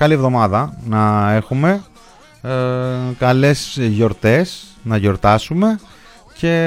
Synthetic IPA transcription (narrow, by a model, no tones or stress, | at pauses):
kɐlievðo̞mɐðɐnɐe̞xume̞ | kɐle̞sʝo̞ɾt̪e̞snɐʝo̞ɾt̪ɐsume̞ | ce̞